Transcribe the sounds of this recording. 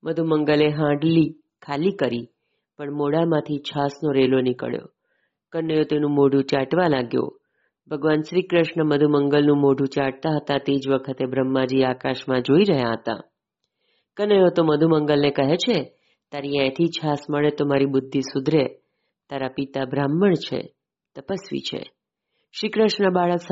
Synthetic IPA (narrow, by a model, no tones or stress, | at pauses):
məd̪ʱuməŋɡəleɦãɖli | kʰalikəɾi | pəɳmoɽamãt̪ʰit͡ʃʰasnoɾelonɪkə̰ɭjo̰ | kənəjot̪enũmoɖ̤ʱũt͡ʃaʈʋalaɡjo̰ | bʱəɡʋanʃɾikɾəʃɳəməd̪ʱuməŋɡəlnũmoɖʱũt͡ʃaʈ̚t̪aɦət̪at̪ed͡ʒʋəkʰət̪ebɾəmːad͡ʒiakaʃmãd͡ʒoiɾəɦjaɦət̪a̰ | kənəjot̪oməd̪ʱuməŋɡəlnekəɦet͡ʃʰe | t̪aɾiɛ̃t̪ʰit͡ʃʰasməɭet̪omaɾibʊd̪ʱːisud̪ʱɾe | t̪aɾapit̪abʱɾamːəɳt͡ʃʰḛ | t̪əpəsʋḭt͡ʃʰḛ | ʃɾikɾəʃnəbaɭəks